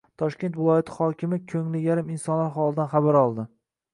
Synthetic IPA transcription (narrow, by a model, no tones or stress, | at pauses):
t̪ʰɒʃkʲe̞nt̪vɪlˠɒjat̪ʰɪ̥χɒkʲɪmɪkʲʰɵŋlɪjaɾɪmɪnsɒnlaɾχɒlˠɪd̪anχabaɾɒlˠd̪ɪ